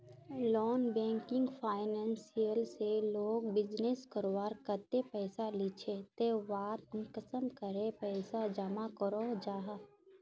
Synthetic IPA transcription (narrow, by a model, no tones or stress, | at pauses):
lɔːnbɛ̃ːŋkɪŋɡpʰaːɪnɛ̃ːnsijəlseloːɡbɪd͡ʒneskəɾwaːɾkət̪epɛːsalɪt͡ʃʰet̪eʋaːt̪ʊnkəsəmkəɾepɛɪsad͡ʒamakəɾod͡ʒaːɦa